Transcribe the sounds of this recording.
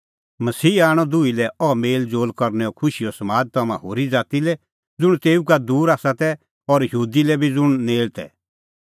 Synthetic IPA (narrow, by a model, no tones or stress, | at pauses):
mɐsiːaːɽ̃ɔd̪ʊilɛɔmeːld͡zoːlkɔɾnɛɔkʰʊʃiɔsɐmaːd̪̚t̪ɐmã̰ɦoːɾid͡zaːt̪ilɛ | d͡zʊɽ̃t̪eːukad̪uːɾaːsat̪ɛ | ɔɾjɦuːd̪ilɛbʱid͡zʊɽ̃neːlt̪ɛ̰